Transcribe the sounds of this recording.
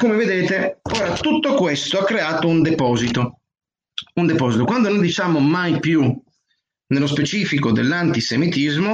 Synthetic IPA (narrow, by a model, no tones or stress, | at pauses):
komeved̪ɛːt̪eɔːɾat̪ut̪ːokwɛst̪oakːɾeaːt̪ound̪ɛpɔːzit̪o | und̪ɛpɔːzit̪okwand̪onõnd̪it͡ʃamomajpju | nelospet͡ʃiːfikod̪ɛ̰lːant̪isemit̪izmo